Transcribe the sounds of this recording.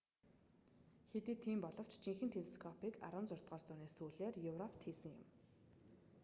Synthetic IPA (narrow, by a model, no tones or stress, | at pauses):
xet̪iːt̪ʰiːmpɔɮɞ̆w̥t͡ɕt͡ɕʰiŋxɘ̆nt̪ʰeɮeskʰɔpʰiːka̰ɾʊ̆ːnt͡sʊr̥t̪ʁɔːrt͡sʊːneːsuːɮeːrjɵwrɔpʰt̪ʰiːsɘ̆ŋjʊ̰m